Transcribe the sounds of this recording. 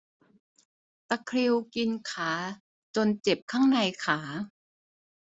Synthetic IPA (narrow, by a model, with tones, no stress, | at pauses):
t̪a˧kʰɾi˧wki˧nkʰaː˩˦ | t͡ɕo˧nt͡ɕe˨˩p̚kʰaː˥˩ŋna˧jkʰaː˩˦